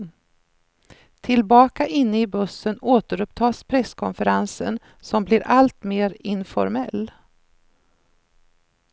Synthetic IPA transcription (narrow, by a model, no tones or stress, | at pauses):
t̪ʰɪlbɑːkaʔɪnːəɪbɵsːənoːt̪əɾɵp̚t̪ʰɑːspʰɾɛskʰɔnfəɾansə̰n | sɔmblɪɾʔalt̪meːɾɪnfɔ̰ɾmɛlː